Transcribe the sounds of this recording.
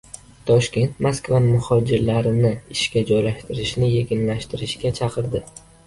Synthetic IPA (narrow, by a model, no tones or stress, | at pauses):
t̪ʰɒʃkʲe̞nt̪maskvanmʊhɒd͡ʒɪɾlaɾɪnɪɪʃkʲad͡ʒɒjlaʃt̪ɪɾɪʃnɪjeɡʲɪnlaʃt̪ʰɪɾɪʃkʲat͡ʃʰɑqʰɨɾd̪ɪ